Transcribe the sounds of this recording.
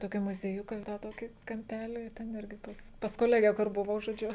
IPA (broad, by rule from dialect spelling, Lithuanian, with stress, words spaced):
toːˈkʲiː mʊzʲiɛˈjʊkɑː tɑː ˈtoːkʲiː kɐmʲˈpʲæːlʲiː tʲɛn ˈɪrʲɡʲɪ pɐs pɐs koːˈlʲæːɡʲɛ kʊr bʊˈʋɐʊ ʒoːˈd͡ʒʲʊ